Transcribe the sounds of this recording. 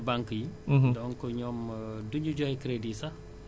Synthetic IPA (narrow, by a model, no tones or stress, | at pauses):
baŋkjiɦdɔnkɔɲɔːmduɲuɟɔhɛkɾedisɐ